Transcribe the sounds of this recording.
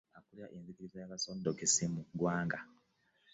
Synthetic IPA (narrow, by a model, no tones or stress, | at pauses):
akuliaʔenzikiɾizajakasodokesimuɡwaːŋɡa